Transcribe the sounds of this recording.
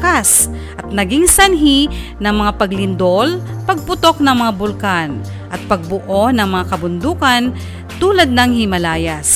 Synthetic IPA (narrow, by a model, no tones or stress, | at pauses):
kas | ʔɐt̪̚nɐɡɪŋsɐnɦinɐŋmɐŋapɐɡlɪnd̪olpɐɡ̚pʊt̪o̞k̚nɐŋmɐŋabʊlkan | ʔɐt̪̚pɐɡ̚bʊʔonɐŋmɐŋakɐbʊnd̪uːkan | t̪uːlad̪̚nɐŋhɪmɐlaːjas